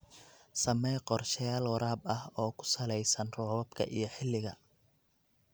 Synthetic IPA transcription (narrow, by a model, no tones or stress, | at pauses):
sɐmɛjqɔrʃɐjaːlwɐɾaːbɐhɔːkʰʊ̥sɐlɛjsɐnrɔːwɐbkʰɐ̰ʔijɞħɪlːɪɣɐ̰